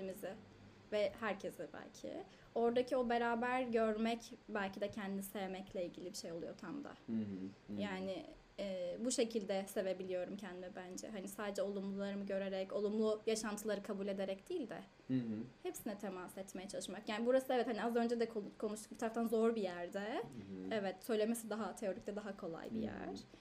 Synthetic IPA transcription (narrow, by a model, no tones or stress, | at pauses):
imizɪ | vɛhæɾcʰezɪbæ̰lʲcʰɪ̰ | o̞ɾd̪acʰio̞be̞ɾaːbæɾɟø̞ɾmɛcbælʲcʰid̪ɛcʰɛnd̪inise̞vemɛclʲɛilʲɟilʲibiʃe̞jo̞lˠujo̞̰t̪ʰamd̪a̰ | jaːnɪː | buʃe̞cʰilʲd̪ɛse̞ve̞bilʲijo̞ɾumcʰɛnd̪imɛbænd͡ʒɛ̰ɦanisaːd̪ed͡ʒɛo̞lˠumlˠulˠaɾɯmɯɟø̞ɾeɾɛco̞lˠumlˠujaʃant̪ʰɯlˠaɾɯkʰabuːlʲe̞d̪e̞ɾɛcd̪̥iːlʲd̪ɛ̰ | hepsinɛt̪ʰe̞masɛt̪mejɛt͡ʃʰalˠɯʃmakjaːnibuɾasɯɛvɛt̪haniazø̞nd͡ʒɛd̪ɛkʰokʰo̞nuʃt̪u̥k̚bit̪ʰaɾaft̪anzo̞ɾbijæɾd̪ɛɛvɛt̪sø̞jlʲemesid̪aɦat̪ʰe̞o̞ɾic̚t̪ʲɛd̪aɦakʰo̞lˠa̰jbḭjæ̰ɾ̥